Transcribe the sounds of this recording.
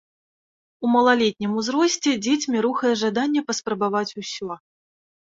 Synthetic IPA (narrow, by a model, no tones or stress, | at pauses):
umɐlˠalʲet̪̚ʲnʲimuzɾɔsʲt͡sʲɛd͡zʲet͡sʲmʲiɾuxɐjɛʐad̪anʲːɛpɐspɾɐbavat͡sʲusʲɔ